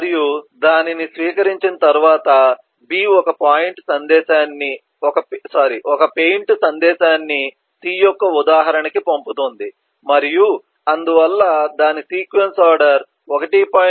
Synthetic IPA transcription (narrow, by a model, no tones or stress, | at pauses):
ɐɾijud̪aːninisʋiːkɐɾiɲt͡ʃinɐt̪ɐɾuʋaːt̪ɐ | biːɔkɐpaːjiɳʈsɐnd̪ɛːʃaːnːi | ɔkɐpsaːɾiʔɔkɐpe̞jɳʈsɐnd̪ɛːʃaːnːi | t̪iːjɔkːɐud̪aːɦɐɾɐnɐkipomput̪oːnd̪i | mɐɾiju | ɐnd̪uʋɐlːɐd̪aːnisiːkʋensaːɾɖɐɾ | ɔkɐʈipaː